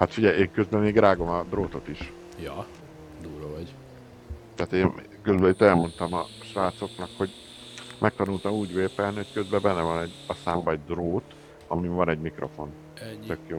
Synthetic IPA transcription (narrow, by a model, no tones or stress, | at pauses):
hɒt̪fiɟɛjeːŋkøzbɛmeːɡ̪ɾaːɡo̞mɒd̪roːt̪o̞t̪iʃ | jɒ | d̪uːlovɒɟ | t̪aːt̪eːn | kølbɛit̪ːɛlmo̞nt̪ɒmɒ̰ | ʃʋaːt̪so̞knɒkho̞ɟ | mʔɛk̚t̪ɒnuːlt̪ɒmuːɟveːpɛlniho̞ckø̞zbɛbɛnːɛvɒnɛɟːɒsaːmbɒɛɟd̪roːt̪ | ɒmivɒnɛɟmikro̞fo̞n | t̪økjoː